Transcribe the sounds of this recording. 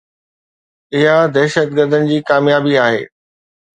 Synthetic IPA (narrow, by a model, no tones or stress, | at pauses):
ɪɦad̪ɛːʃət̪̚ɡəɾd̪ənɪ̆d͡ʑiːkaːmjaːbiaːɦḛː